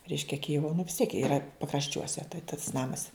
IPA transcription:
ˈrʲɛɪʃʲkʲɛ ˈkʲɪjɪʋoː nʊ ʋʲɪs tʲiɛk ˈiːrɐ pɐkrɐʃʲˈt͡ʃʲuɔsʲɛ tɐɪ tɐs ˈnɑːmɐs

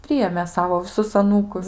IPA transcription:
ˈpʲrʲɪjeːmʲeː ˈsɑːʋoː ʋʲɪˈsʊs ɐˈnuːkʊs

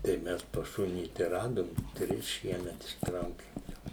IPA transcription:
tɐɪ ˈmʲɛs pɐs ˈʃʊnʲiː tɐɪ ˈrɑːdoːm ˈtʲrʲɪs ˈʃʲiɛmʲɛt ɪʃˈtrɐʊkʲɪm jɛʊ

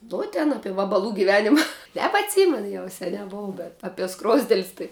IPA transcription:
ˈnʊ tʲɪn ˈɑːpʲɛ ʋɐbɐˈlˠuː ɡʲɪˈʋʲæːnʲɪmɐ nʲɛbɐtʲˈsʲiːmʲɛn ˈjɛʊ sʲɛˈnʲæː ˈboːw bʲɛt ɐpʲiɛ ˈskroːzʲdʲɛlʲsʲ tɐɪ

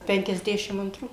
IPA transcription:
pʲɛŋʲkʲɛzʲˈdʲæːʃʲɪm ɐntˈruː

